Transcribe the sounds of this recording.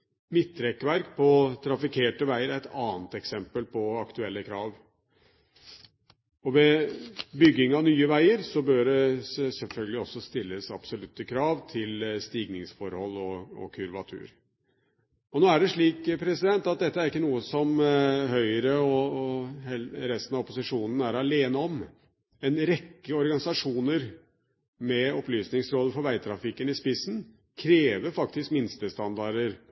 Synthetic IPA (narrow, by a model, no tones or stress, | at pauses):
mɪt̪ːɾɛkʋæɾkpʰɔt̪ʰɾɑfɪkʰeːʈəʋæɪəɾæɪt̪ɑːnt̪ɛksɛmpəlpʰɔɑkt̪ʉɛlːəkʰɾɑːʋ | ɔʋɛbʏɡːɪŋɑnyːəʋæɪəɾsɔbøːɖɛsɛlfœlɡəlɪɔsːɔst̪ɪlːəsɑb̥sɔlʉt̪ːəkʰɾɑːʋt̪ʰɪlst̪iːɡnɪŋsfɔɾhɔlːɔɔ̰kʰʉɾʋɑt̪ʰʉ̰ːɾ | ɔnoːæɖɛʂɭiːkpʰɾɛsɪd̪ɛnt̪ːɑt̪̚d̪ɛt̪ːəæɾɪkːənuːəsɔmɦœʏəɾəɔ | ɛɾɛst̪ənɑɔpʊsɪʂuːnn̩æɾɑleːnəɔm | ɛnɾɛkːəɔɾɡɑnɪsɑʂuːnəɾ | mɛɔplyːsnɪŋsɾoːd̪əfɔɾʋæɪt̪ʰɾɑfɪkːənɪspɪsːn̩ | kʰɾeːʋəɾfɑkt̪ɪskmɪnst̪əst̪ɑnd̪ɑɾəɾ